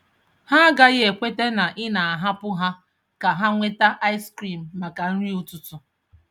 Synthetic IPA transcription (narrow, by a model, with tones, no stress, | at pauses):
ha˦ɡa˦ɣɪ˦e˨kʷe˦te˦na˨ʔɪ˦na˨a˨ɦa˦pʊ˦ɦa˦ | ka˨ɦa˦ŋʷe˦ta˦ʔa˦ɪ˦skɾi˨m̩ː˨a˨ka˨n̩˦ɾi˦u˦tʊ˦tʊ˨